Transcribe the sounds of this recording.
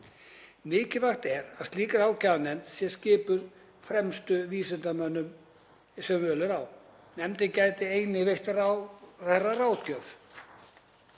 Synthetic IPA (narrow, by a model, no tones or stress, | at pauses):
mɪːcɪvaxt̪ɛɾaðst̪liːkaɾaːwcaðnɛnsjɛscɪːpʏɾ | fɾɛmst̪ʏviːsɪnt̪amœnːʏm | sɛmvœːlʏɾaw | nɛmt̪ɪcaːjt̪ɪeːjnɪveht̪rarɛrːaraːwt̪cœf